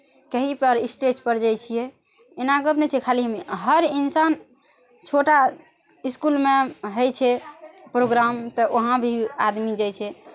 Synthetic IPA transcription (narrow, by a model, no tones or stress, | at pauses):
kəɦipəɾisʈed͡ʒpəɾd͡ʒajt͡ʃʰijɛ | enaɡəbnɛt͡ʃʰɛkʰaliɦəmiɦəɾinsan | t͡ʃʰoʈa | iskulmeɦəjt͡ʃʰɛpɾoɡɾamt̪ɔʔoɦãbʱiad̪mid͡ʒajt͡ʃʰɛ